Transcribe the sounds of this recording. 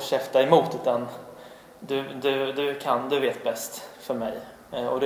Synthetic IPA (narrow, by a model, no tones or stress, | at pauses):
ɕɛft̪aɪmuːt̪ʉ̟ːt̪an | d̪ɵd̪ɵd̪ɵkʰand̪ɵveːt̪̚bɛst̪fœɾmɛj | ɔd̪